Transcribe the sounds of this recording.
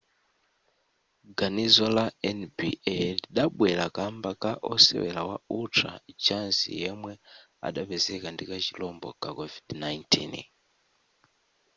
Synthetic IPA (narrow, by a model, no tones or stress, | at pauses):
ɡanizɔlaɛnbiɛliɗaɓwɛlakambakaʔɔsɛ̰wɛ̰lawautʰa̰t͡ʃansḭjɛmwɛ | a̰ɗapɛzɛkandikat͡ʃilɔmbɔ̰kakɔvidnajntʰḭn